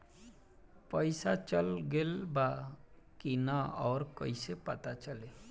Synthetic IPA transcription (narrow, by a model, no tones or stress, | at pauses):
pəɪsat͡ʃəlɡelba | kinaɔːɾkəɪsepət̪at͡ʃəle